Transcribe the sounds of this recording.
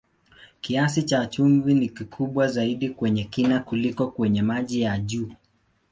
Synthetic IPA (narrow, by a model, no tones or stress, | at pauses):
kias̬it͡ʃat͡ʃumvinikikʰuɓwazaiɗikwɛɲɛkinakulikɔkwɛɲɛmaʄijaʄuː